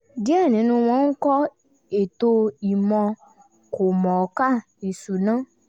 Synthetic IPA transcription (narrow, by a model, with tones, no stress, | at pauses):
di˦ɛ˦˨nĩ˨˦nũ˧w̃ɔ̃˦ŋ̩˦kɔ˦ | e˨t̪o˧i˨mɔ̃˧ | ko˨mɔ̃˨˧ka˦˨ | i˨su˨nã˦